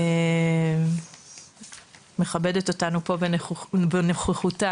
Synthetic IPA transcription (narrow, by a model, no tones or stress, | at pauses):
e | me̞χabe̞de̞to̞tanupo̞benbeneχeχuta